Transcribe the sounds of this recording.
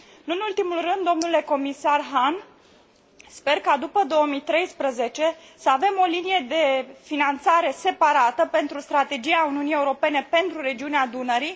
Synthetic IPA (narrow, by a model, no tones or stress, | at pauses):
ɨnult̪imulrɨnd̪ːo̞mnule̞ko̞misarɦan | spe̞rkad̪upəd̪o̞omijt̪ɾe̞jspɾəze̞t͡ʃe̞ | səave̞mo̞linije̞d̪e̞finant̪saɾe̞se̞paɾat̪əpe̞nt̪ɾust̪ɾat̪e̞d͡ʒijauniunije̞uɾo̞pe̞ne̞pe̞nt̪ɾuɾe̞d͡ʒiunead̪unəɾi